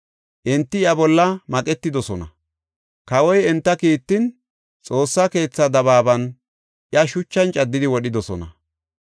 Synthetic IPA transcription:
ʔɛnt̪ːɪjɐbɔlːɐmɐkʼɛt̪ːɪd̪ɔsɔnɐ | kɐwɔjɛnt̪ːɐkiːt̪ːɪn | t͡sʼo̞ːsːɐke̞ːt͡sːɐd̪ɐβaːbɐn | ʔjɐʃʊt͡ʃːɐnt͡ʃʼɐd̪ːɪd̪ɪwɔɗɪd̪ɔsɔnɐ

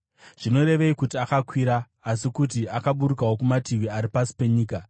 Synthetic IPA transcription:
ʐ̥ino̞ɾe̞ʋe̞ikutiakakwiɾaː | sikut̬iakaɓuɾuk̬awokumatiʋiaɾipasi̥pe̞ɲiːka

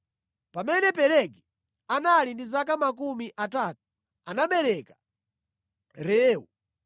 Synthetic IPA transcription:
pamɛnɛpɛɾɛɡi | analindizakamak̬umiʔataːtu̥ | anaɓɛɾɛkḁ | ɾɛːwu

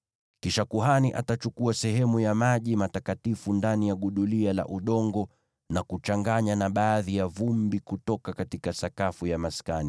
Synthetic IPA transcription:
kiʃakuɦaniʔatat͡ʃukuasɛɦɛmujamaʄimatakatifundanijaɠuɗuliala̰ʔuɗɔŋɡɔ | nakut͡ʃaŋɡaɲanaɓaːðijavumbikutɔkakatikasakafujamaskani

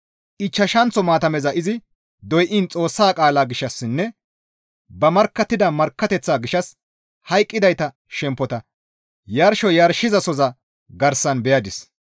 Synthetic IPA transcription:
ʔɪt͡ʃːɐʃɐnt͡sɔmaːt̪ɐmɛzɐʔɪzɪ | d̪ɔjʔɪnt͡sʼo̞ːsːaːkʼaːlaːɡɪʃːɐsːɪnːɛ | bɐmɐɾkːɐt̪ːɪd̪ɐmɐɾkːɐt̪ɛt͡sːaːɡɪʃɐs | hɐjkʼːɪd̪ɐjt̪ɐ | ʃɛmpːɔt̪ɐ | jɐɾʃɔjɐɾʃɪzɐsɔzɐ | ɡɐɾsɐnbɛjɐd̪ɪs

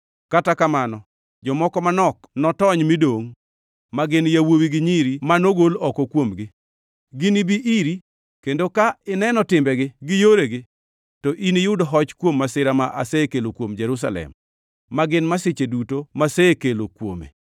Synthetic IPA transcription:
katakamanɔ | d͡ʒɔmɔkɔmanɔknɔtɔɲmidoŋ | maɡɪnjawowiɡɪɲiɾimanoɡolɔkokwomɡɪ | ɡɪnibiʔiɾi | kendokaɪnɛnɔtɪmbɛɡɪɡɪjoɾeɡɪ | tɔʔinijʊdɔɦɔt͡ʃkwomːasɪɾamaʔa̰sekelokwomd͡ʒɛɾus̬a̰lɛ̰mː | aɡɪnmasɪt͡ʃedutomasekelokwo̰mḛ

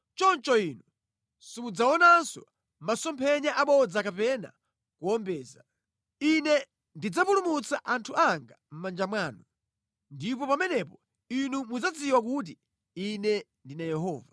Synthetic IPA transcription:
t͡ʃɔnt͡ʃɔinu | simud͡zaɔnansɔ | masɔmpʰɛɲaʔaɓɔd͡zakapɛna̰ | kuɔmbɛːza | inɛ | ndid͡zapulumut͡saʔantʰuaŋɡam̩mand͡ʒamwaːnu | ndipɔpamɛnɛpɔ | inumud͡zat͡siwak̬ut̬i | inɛndinajɛɦɔ̰ːva

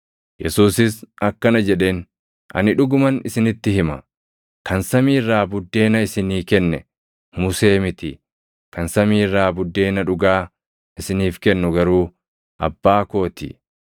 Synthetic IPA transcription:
jɛsuːsɪsɐkːɐnɐd͡ʒɛᶑe̞ːn | ɐ̰nɪᶑʊɡʊmɐnɪsɪnɪt̪ːɪhɪmɐ | kɐnsɐmiːrːaːbʊd̪ːe̞ːnɐɪsɪniːkɛnːɛ̰ | mʊse̞ːmɪt̪ɪ | kɐnsɐmiːrːaːbʊd̪ːe̞ːnɐᶑʊɡaː | ɪsɪniːfkɛnːʊɡɐɾuː | ʔɐ̰bːaːko̞ːt̪ḭ

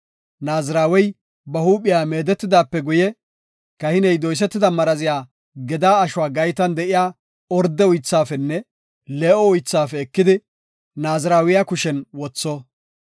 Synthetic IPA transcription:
naːzɪɾaːwɛj | bɐhuːpʼɪjaːme̞ːd̪ɛt̪ːɪd̪aːpːɛɡʊjɛ | kɐhɪnɛjd̪ɔjs̬ɛt̪ːɪd̪ɐmɐɾɐzɪjaː | ɡɛd̪aːɐʃʊaːɡɐjt̪ɐnd̪ɛʔɪjaː | ɔɾd̪ːɛʊjt͡sːaːfɛnːɛ | leːʔɔʊjt͡sːaːfɛːkːɪd̪ɪ | naːzɪɾaːwɪjakʊʃɛnwɔt͡sːɔ

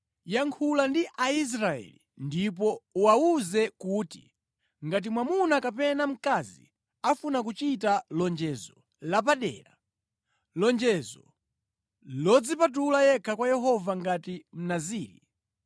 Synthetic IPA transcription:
jaŋkʰulandiʔais̬ɾaɛ̰lḭ | ndip̬ɔuwauzɛkuːtḭ | ŋɡat̬imwamunakapɛnam̩kazḭ | afunak̬ut͡ʃitalɔnd͡ʒɛzɔ | lap̬aɗɛ̰ːɾa | lɔnd͡ʒɛzɔ̰ | lɔd͡zipat̬ulajɛkʰakwajɛɦɔvaŋɡatim̩naziːɾḭ

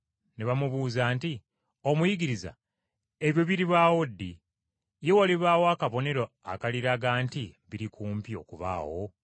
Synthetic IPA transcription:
neβamuβuːzaːnti | o̞mujiɡiɾiza̰ | e̞βjo̞βiɾiβaːwo̞dːi | je̞waliβaːwakaβo̞ne̞ɾo | akaliɾaɡaːntiβiɾikʰuːmpio̞̰kuβa̰ːwo̞

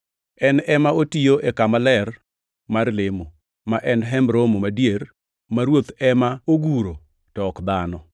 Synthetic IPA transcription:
ɛnɛmaotijoʔekamalɛr | marlɪmo | maʔɛnɦɛmɾomomadjeɾ | maɾwot̪ɛmaoɡuɾo | tɔːkd̪anɔ

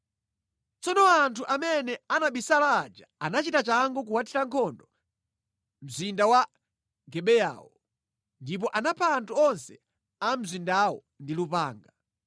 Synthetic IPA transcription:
t͡sɔnɔantʰuʔamɛnɛanaɓisalaːd͡ʒaanat͡ʃitat͡ʃaŋɡɔk̬uwatʰiɾaŋkʰɔndɔ | m̩zindawa | ɡɛɓɛja̰ːwɔ | ndip̬ɔʔanapʰaːntuɔnsɛ | am̩zindawɔ̰ | ndilupaːŋɡa

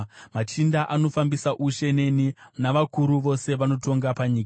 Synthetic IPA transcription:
mat͡ʃindaʔano̞fambisaʔuʃe̞ne̞ninaʋakuɾuʋo̞se̞ʋano̞to̞ŋɡapaɲiːka

